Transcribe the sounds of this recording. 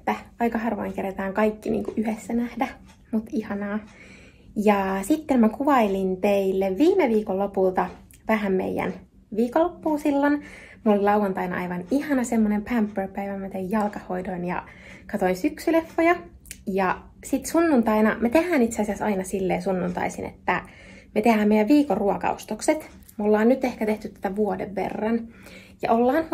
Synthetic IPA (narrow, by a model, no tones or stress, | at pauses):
et̪ːæɑikɑhɑrʋo̰iŋkeret̪æːŋkɑikːinḭːŋkuʔyhesːænæhdæ | mut̪ihɑnɑː | jɑsit̪ːemmækuʋɑilint̪eilːeʋʋiːmeʋiːkolːopult̪ɑ | ʋæhæmmḛijːæ̰n | ʋiːkolːopːuːsilːon | molilɑuʋɑnt̪ɑinɑ̰ɑiʋɑnihɑnɑsemːonempæmpːørpæiʋæmæt̪eijjɑlkɑhoidoinjɑ̰ | kɑt̪oinsyksylefːojɑ | jɑ | sit̪sunːunt̪ɑinɑmæt̪ehæːnit̪seɑsiɑsɑ̰inɑsilːeːsunːunt̪ɑ̰isḭnḛt̪ːæ | met̪ehæːmeijæʋʋiːkoruokɑ̰o̰st̪okset̪ | molːɑːnnyt̪ehkæt̪eht̪yt̪t̪æ̥t̪æʋuodeʋːḛrːɑnjɑ̰ʔolːɑːn